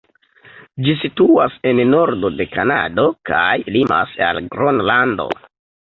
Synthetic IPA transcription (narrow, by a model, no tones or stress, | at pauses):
d͡ʒisituase̞nno̞ɾdo̞de̞kana̰do̞kajlima̰sa̰lɡɾonlando̞̰